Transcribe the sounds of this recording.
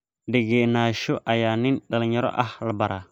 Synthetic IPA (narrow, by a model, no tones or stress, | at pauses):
diɡenaʃuʔajaːninɗɐlɲɔɾɔ̰ʔahlabaɾʔa